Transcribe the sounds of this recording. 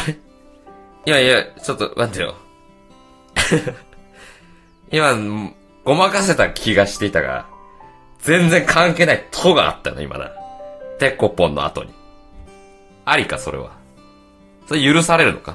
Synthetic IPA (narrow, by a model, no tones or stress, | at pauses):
imaiat͡ɕo̞t̪ːo̰nãnd̪ajo̰ | ima | ɡ̥o̞makase̞t̪akʲʰiɡaɕi̥t̪e̞it̪aɡa̰ | d͡zẽ̞nd͡zẽ̞ŋkʰãŋke̞ːnait̪ʰoɡa̰a̰t̪ːajono̰ḭmʔa̰nã̰t̪e̞kːopːõ̞nːo̰a̰t̪o̞̰ɲ̟i | aɾʲikaso̞ɾe̞̰βa̰ | so̞ɾejɯ̟ɾɯ̟saɾe̞ɾɯ̟no̞̰ka